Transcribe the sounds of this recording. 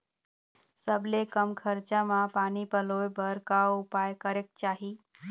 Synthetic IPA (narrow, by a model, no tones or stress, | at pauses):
səblekəmkʰəɾt͡ʃamãpaːnipəlojbəɾkawʊpajkəɾek̚t͡ʃaɦi